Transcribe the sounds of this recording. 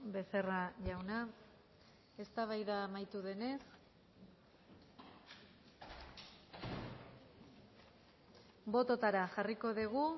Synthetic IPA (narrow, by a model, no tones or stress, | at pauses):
be̞se̞raʝawna | e̞st̪aβ̞ajðaːmajt̪uðe̞ne̞s | bo̞t̪o̞t̪aɾaʝariko̞ðiɣu